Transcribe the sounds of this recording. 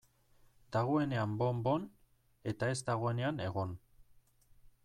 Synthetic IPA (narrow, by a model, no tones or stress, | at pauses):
d̪aɣ̞o̞e̞ne̞ambo̞mbo̞n | e̞t̪ae̞zd̪aɣ̞o̞e̞ne̞ane̞ɣ̞o̞n